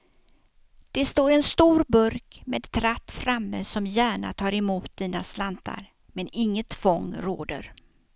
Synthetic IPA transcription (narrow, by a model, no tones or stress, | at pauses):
d̪̥ɛst̪oːɾɛnst̪uːɾbɵɾkmeːd̪t̪ʰɾat̪ːfɾamːəsɔmjæːɳa̰t̪ʰɑːɾɛmuːt̪̚d̪̥iːnaslant̪ʰa̰ɾ | mɛnɪŋːət̪fɔŋːɾo̰ːd̪ə̰ɾ